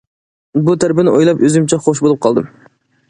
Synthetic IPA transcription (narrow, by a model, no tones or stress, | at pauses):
but̪ʰæɾbɪnɪʔojlˠɑpøzymt͡ʃʰɛχoʃ̬bolˠup̚qʰɑlˠd̪ɨm